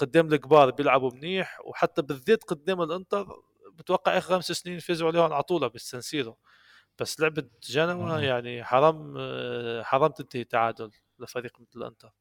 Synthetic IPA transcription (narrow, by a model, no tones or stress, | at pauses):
qʊd̪ːɛːmlɪkbɑːɾˤbjɪlʕabumniːħwħat̪ːæbɪðːeːt̪qʊd̪ːɛːmɪlʔʊnt̪ˤɑɾˤ | bɪt̪wɑqːɑʕʔæːxɾxæmsasniːnfeːzuʕliːhʕlʕɑt̪ˤuːlɑbɪsænsiːɾʊ | b̥æsːlɪʕbəd̪ʒænawæjaʕniħɑɾˤɑːm | ħɑɾˤɑːmt̪ɪnt̪ahit̪ːaʕaːd̪ʊl | ɪfæɾiːqmɪt̪ləlʔʊ̰nt̪ˤɑɾˤ